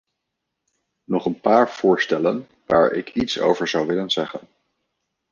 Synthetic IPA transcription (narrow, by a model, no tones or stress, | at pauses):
nɔχənpaːɹv̥ʊːɹstɛlən | ʋaːɹɪ̰kʰitso̰wvəɹzɑwʋɪlənz̥ɛχən